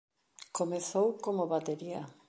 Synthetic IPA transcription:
komeθowkomoβat̪eɾia̰

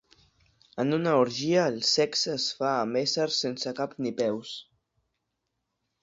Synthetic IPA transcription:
ənunəuɾʒiəːlˠsɛksəsfaːmesəɾsensəkapnipɛws

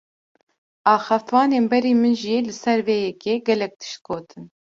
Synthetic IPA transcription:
ɑːxɑft̪wɑːneːnbɛɾiːmɨnʒilɨsɛɾveːjɛkeɡɛlɛk̚t̪ɨ̥ʃt̪̚ɡoːt̪ʰɨn

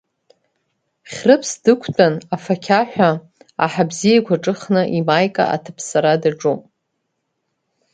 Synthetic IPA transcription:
χʲrɨpʰsdɨkʷʰtʼanafakʲʰaħʷᶣa | a̰ħabzijakʷʰaʈ͡ʂʼɨχnɨʔimajkʼa̰ʔa̰tʰɨpʰsaɾadaʈ͡ʂʼupʼ

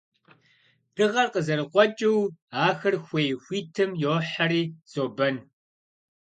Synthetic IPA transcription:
d̥ɨʁɐrqəzɐɾɨqʷʼɔt͡ʃʼɪwaːxɨrxʷejxʷiːtʰɨmjoħariːz̥oːbɐn

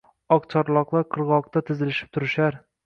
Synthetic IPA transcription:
ɒqt͡ʃʰɒɾlˠɑqlˠɑɾqʰɤ̆ɾʁɒq̚t̪ɑt̪ʰɪzɪlɪʃɪ̥p̚t̪ʰʊɾɪʃæɾ

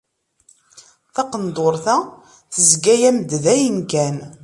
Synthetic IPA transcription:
θɑqənd̪oɾθæ | θəzɡæjæmd̪ðæjənkæn

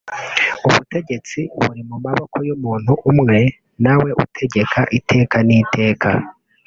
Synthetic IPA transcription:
uβute̞ɟe̞t͡siβṵɾimumaβokʰojomuːn̥huʔːmŋe̞ | nawe̞ʔṵtʰe̞ɟe̞kʰaʔitʰe̞ːkanitʰe̞ːkʰa̰

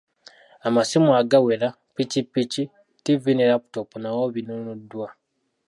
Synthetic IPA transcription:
amasimwaɡawela | picipːici | tivinelapu̥topunawoβinonudːwa

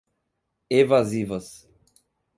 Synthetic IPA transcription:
evazivɐs

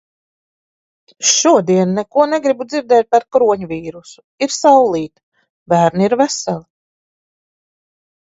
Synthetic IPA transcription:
ʃuɔd̪iɛnːekuɔneɡɾibud̪ziɾd̪ɛːt̪̚paɾkɾuɔɲuviːɾusu̥ | iɾsawlˠiːt̪ | bæːɾniɾvæsalˠi

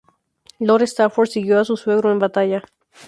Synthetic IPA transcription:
loɾest̪afoɾsiɣjoasusweɣɾoembat̪aʝa

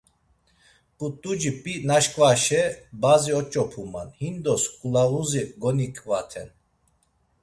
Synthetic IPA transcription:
kʼut̪ʼud͡ʒipʼinaʃkʼvaʃɛbaziɔt͡ʃʼɔpʰuma̰nhind̪ɔskʼulaɣuziɡɔnikʼvat̪ʰɛn

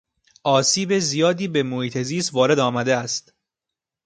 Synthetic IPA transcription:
ʔɒːsiːbe̞zijɒːd̪iːbe̞mohiːt̪ʰe̞ziːst̪vɒːɾe̞d̪ɒːmæd̪eæst̪

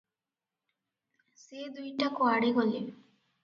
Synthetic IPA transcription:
siːd̪uiʈːɐkuɐɽiɡolːiʋi

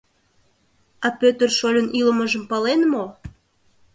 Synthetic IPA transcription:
ɑpøt̪ərʃolʲə̆nʔilə̆məʒə̆mpɑlenmo

